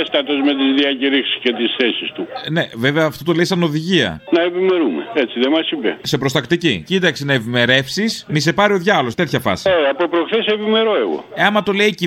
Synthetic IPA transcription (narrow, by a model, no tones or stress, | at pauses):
est̪ɐt̪o̞zme̞t̪izðiɐciɾixsi̥sce̞t̪isθesist̪une̞ve̞veɐːft̪o̞t̪oleisɐno̞ðiʝiɐ̰nɐepime̞ɾume̞̰et͡siðemɐsivḛse̞pɾo̞st̪ɐkt̪icicit̪ɐksinɐepime̞ɾe̞fsismise̞pɐɾio̞ðʝɐlo̞st̪e̞t̪ʰçɐfɐ̰sieɐpopɾoxθesepime̞ɾo̞e̞ɣo̞̰eɐmɐt̪o̞leici